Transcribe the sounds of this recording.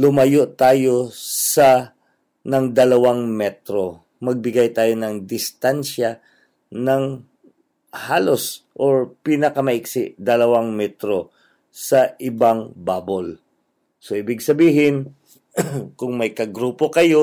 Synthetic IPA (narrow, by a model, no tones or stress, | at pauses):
lʊmɐjoʔt̪aːjo̞sɐ | nɐŋd̪ɐlɐwaŋmɛt̪ɾo̞ | mɐɡ̚bɪɡajt̪aːjo̞nɐŋd̪ɪst̪anʃa | nɐŋ | haːlo̞sʔoɹpiːnɐkɐmɐʔɪksɪʔd̪ɐlɐwaŋmɛt̪ɾo̞ | sɐʔɪbaŋbaːbol | so̞ʔɪbɪɡsɐbiːɦɪn | kʊŋmɐjkɐɡɾuːpo̞kɐjo